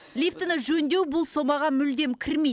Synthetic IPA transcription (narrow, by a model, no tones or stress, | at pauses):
lift̪ənəʒɵnd̪e̞wbʊlˠso̞mɑʁɑmʏld̪e̞mkʲʰɪɾmej